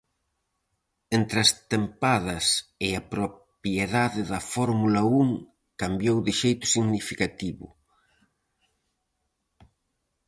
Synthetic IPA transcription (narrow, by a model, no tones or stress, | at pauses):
ent̪ɾɐst̪empaðɐsɪapɾopjeðaðɪðɐfɔɾmulɐuŋ | kambjowðɪʃejt̪ʊ̥siɣnifikat̪iβʊ̰